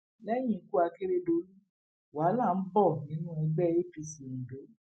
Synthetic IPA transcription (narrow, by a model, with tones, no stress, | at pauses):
lɛ˦j̃ĩ˦˨˦ku˦a˧ke˦ɾe˦dõ˧˦ | wa˨˦la˦˨n̩˦bɔ˦˨nĩ˨˦nũ˦ɛ˧ɡ͡bɛ˦e˦fi˧si˨n̩˨do˨˦